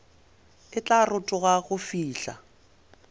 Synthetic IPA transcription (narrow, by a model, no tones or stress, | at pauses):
ɪt͡ɬʼarʊtʼʊɣaɣʊfiːɬa̰